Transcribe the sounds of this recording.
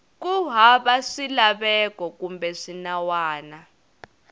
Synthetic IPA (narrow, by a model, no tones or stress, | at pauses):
k̬uɦaɓaʂilaɓɛkɔk̬ʼumbɛʂinawaːna